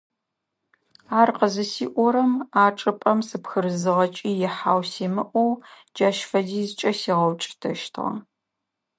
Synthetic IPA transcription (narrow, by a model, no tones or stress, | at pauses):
aːrqəzɨsiːʔʷɔɾɐmaːʈ͡ʂʼɨpʼɐmsɨpxɨɾɨzɨʁɐt͡ʃʼiːjɪħaːwsiːmɨʔʷɔw | d͡ʒaːʃfɐdiːzt͡ʃʼɐsiːʁɐwt͡ʃʼtʰɐ̰ʃtʰʁɐ̰